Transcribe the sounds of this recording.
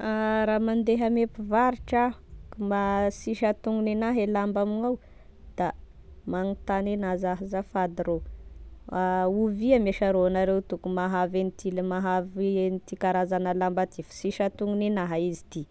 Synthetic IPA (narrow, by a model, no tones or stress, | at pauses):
aɾamand̪eɦamepivaɾiʈ͡ʂakumasiʃat̪uŋɡuninaɦelambaminaw | d̪̥a | maŋit̪anenazaɦizafad̪iɾo | auviameʃaɾoanaɾewt̪ukumaɦavenit̪ilmaɦavenit̪ikaɾazanalambat̪ifi̥siʃat̪uŋɡuninaɦaizit̪i